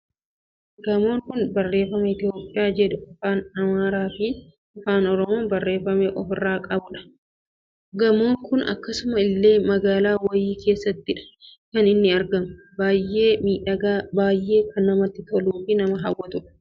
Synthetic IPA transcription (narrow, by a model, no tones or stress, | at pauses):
ɡɐmo̞ːŋkʊnbɐrːe̞ːfɐmɐɪt̪ɪjo̞ːpʼːɪjaːd͡ʒɛᶑʊɔfaːnɐmaːɾaːfi | ɔfaːnɔɾɔmoːnbɐrːe̞ːfɐmɛʔɔfɪrːaːkʼɐbʊᶑɐ̥ | ɡɐmo̞ːŋkʊnɐ̰kːɐsʊmɐɪlːe̞ːmɐɡaːlaːwɐjiːkʰe̞ːsːɐt̪ːɪᶑɐ̥kɐnɪnːɪɐɾɡɐmʊ | baːjʔːeːmiːᶑɐɡaːbaːjːe̞ːkʰɐnːɐmɐt̪ːɪt̪ɔluːfɪnɐmɐɦɐwːɐt̪ʊᶑɐ̥